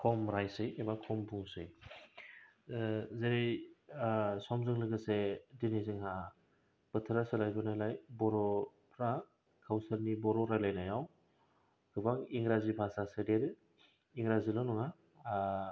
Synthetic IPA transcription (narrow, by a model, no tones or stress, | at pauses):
kʰɔmɾajsɯjebakʰɔmbʰuŋsɯj | zeɾe | sɔmzɯŋlɯɡɯsedinizɯŋha | b̥ɯtʰɯɾasɯlajbɯnajlajbɔɾɔ | pʰɾa | kʰawsɯɾnibɔɾɔɾajlajnajaw | ɡ̥ɯbaŋiŋɾazipʰasasɯdeɾɯ | iŋɾazilɔnɔŋa